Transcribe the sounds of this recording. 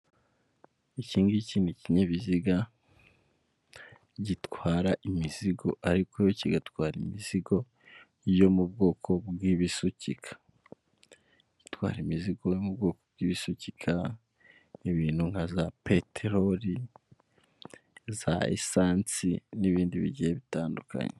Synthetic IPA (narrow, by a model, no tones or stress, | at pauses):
iciːŋɡiciːnuciɲeβiziɡa | ɟitwaːɾaʔimiziɡo̞ʔaɾikojociɡatwaːɾimiziɡo̞ | jo̞mubɡo̞ːkʰo̞bwiβisucikʰḁ | ɟ̥itwa̰ːɾimiziɡo̞jomubɡo̞ːko̞b̚ɡiːβisucikʰa | eβiːn̥huŋhazapetʰeɾoɾi | za̰ḛsaːnt͡siniβiːndiβḭɟijeβitaːnduka̰ɲe